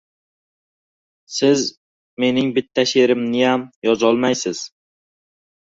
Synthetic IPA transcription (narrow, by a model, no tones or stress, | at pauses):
sɪz | me̞nɪŋbɪt̪ʰːaʃeɾɪmnɪjamjɒzɒlˠmajsɪz̥